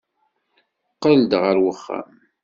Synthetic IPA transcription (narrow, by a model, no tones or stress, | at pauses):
qːəld̪ʁəɾwəχːæ̰m